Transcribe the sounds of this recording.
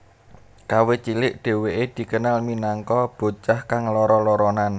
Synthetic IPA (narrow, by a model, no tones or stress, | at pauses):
kawet͡ʃilɪʔɖ̪̥e̤weʔed̪̥i̤kənalminaŋkɔb̥o̤t͡ʃahkaŋlɔɾɔlɔɾɔnan